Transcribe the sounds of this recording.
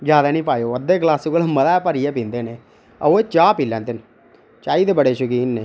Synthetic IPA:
zjaːd̪aːnĩːpaːjoːəd̪eːklaːsɪkəlməd̪aːpəɾijɛːpĩːnd̪eːneː | ə̰oːeːt͡ʃaːpiːlɛ̃ːnd̪en | t͡ʃaːiːd̪eːbəɽeːʃʊkiːnːeː

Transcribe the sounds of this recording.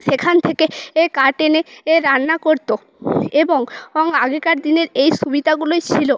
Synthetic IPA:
ʃekʰant̪ʰekeekaɾʈeneeɾanːakoɾt̪o | eboŋɔŋaɡekaɾd̪ineɾejʃubid̪ʱaɡuloet͡ɕʰilo

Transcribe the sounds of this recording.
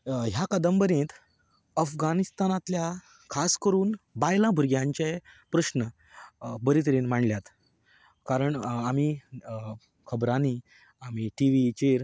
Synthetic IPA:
ɦjakəd̪əmbəɾẽt̪ | əfɡanist̪anãt̪lja | kʰaskəɾuːnbajlãbʱuɾɡjãɲt͡ɕepɾəɕnə | bəɾit̪əɾenm̤aɳljat̪ | kaɾəɳami | kʰəbɾani | amiʈiʋit͡ɕeɾ

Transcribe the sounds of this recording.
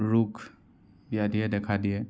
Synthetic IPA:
ɾukʰ | bjad̪ʱied̪eːkʰad̪ie

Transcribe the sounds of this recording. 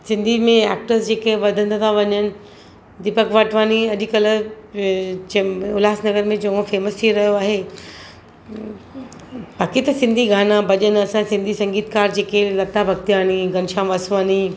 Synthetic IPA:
sɪ̃nd̪ʱimẽɛ̰ːk̚ʈəɾsd͡ʑeːkɐɦɪ̃ʋɐd̪ʱə̃nd̪t̪ʰaʋɐɲənɪ̆ | d̪ɪpəkʰʋɐʈʰʋaːniɐʄkɐl̆ | ʊlaːsnɐɡəɾmẽd͡ʑɐõfeːməst̪ʰiɾɐɦijoaːɦe | baːkit̪ɐsɪ̃nd̪ʱiɡaːnabɐʄənɐsãsɪ̃nd̪ʱisɐ̃ŋɡiːt̪̚kaːɾd͡ʑeːkelɐt̪abʱɐk̚t̪ijaːniɡɐnʃaːmʋɐsʋaːni

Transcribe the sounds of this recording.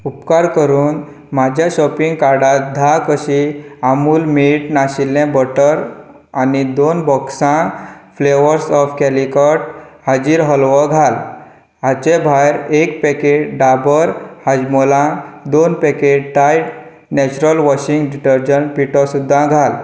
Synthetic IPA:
upkaɾkəɾuːn | mad͡ʑʱjaɕɔpiŋɡkaɾɖat̪̚d̪ʱakəɕiamuːlmiʈnaɕilːɛ̃bɔʈəɾ | anid̪onbɔksãfleʋəɾsɔfkɛlikəʈhad͡ʑiːɾɦəlʋɔɡʱal | at͡ɕebʱajɾekpɛkeʈɖabəɾhad͡ʑmɔlãd̪onpɛked͡ʑʈajʈ | nɛt͡ɕuɾəlʋɔɕiŋɡɖiʈəɾd͡ʑəɳpiʈɔsud̪ʱːãɡʱal

